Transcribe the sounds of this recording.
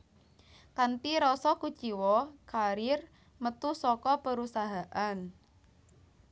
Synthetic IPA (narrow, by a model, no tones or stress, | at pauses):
kant̪iɾɔsɔkut͡ʃiwɔkʰaɾɪr | mət̪usɔkɔpəɾusaɦaʔan